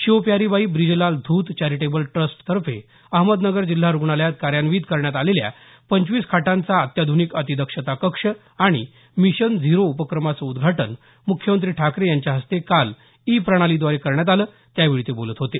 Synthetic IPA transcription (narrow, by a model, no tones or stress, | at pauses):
ɕiʋpjaɾiʋaiːbɾid͡ʑəlald̪ʱuːt̪t͡ɕaɾiʈebəlʈɾəsʈt̪əɾfḛ | əɦməd̪nəɡəɾd͡ʑil̤ːaɾuɡɳaljat̪̚kaɾjanʋiːd̪kəɾɳjat̪alelja̰ | pəɲt͡ɕʋiːskʰaʈant͡saət̪jad̪ʱunikət̪id̪əkʂət̪akəkʂə | aɽ̃ḭ | miɕənd͡zʱiɾoupəkɾəmat͡səud̪ɡʱaʈən | mukʰːjəmənt̪̬ɾiːʈʰakɾejaɲt͡ɕjaɦəst̪ekal | ipɾəɽ̃alid̪ʋaɾekəɾɳjat̪̬aləː | t̪jaʋiɭit̪ebolət̪ɦot̪e